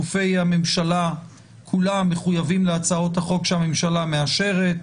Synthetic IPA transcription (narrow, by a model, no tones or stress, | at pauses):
ufe̞jhamemʃala | kʰulamːe̞χujavimleat͡sao̞t̪haχo̞kʃeame̞mʃalameaʃe̞ʁet̚